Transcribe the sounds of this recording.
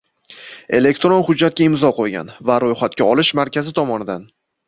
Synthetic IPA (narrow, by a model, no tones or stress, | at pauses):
e̞̰le̞kʲt̪ɾonχʊd͡ʒːat̪̚kʲaɪmzɒqʰojɡʲa̰nvaɾojχat̪̚kʲaɒlɪʃmaɾkʲʰazɪt̪ʰɒmɒnɪd̪an